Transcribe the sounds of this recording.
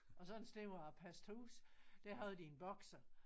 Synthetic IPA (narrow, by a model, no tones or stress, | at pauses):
ɒ̽sɒ̥̽n̩sd̥e̝ʊæpʰæsd̥huːsd̥æɐɦæð̩ˠd̥ienb̥ɒ̽ɡ̥sɐ